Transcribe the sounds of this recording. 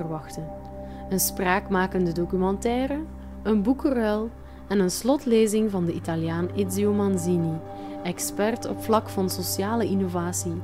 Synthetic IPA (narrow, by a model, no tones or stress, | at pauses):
rʋɑxtən | ənspraːkmaːkəndədokymɑntɛːɾə | ənbukərɛlˠ | ɛnənslɔtleːzɪŋvɑndəʔitaljaːnɪdziomɑnzini | ɛkspɛrtɔ̰pflɑkfɑnsosjaːləʔinovaːsi